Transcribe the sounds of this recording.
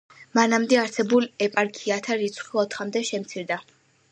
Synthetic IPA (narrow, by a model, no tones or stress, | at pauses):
manamd̪ɛaɾsɛbulɛpʼaɾkʼʰiat̪ʰaɾit̪sʰχiɔt̪ʰχamd̪ɛʃɛmt̪sʰiɾd̪a